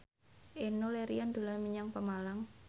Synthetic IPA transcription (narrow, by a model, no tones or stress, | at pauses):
ʔenoleɾiand̪ṳlarmiɲaŋpəmalaŋ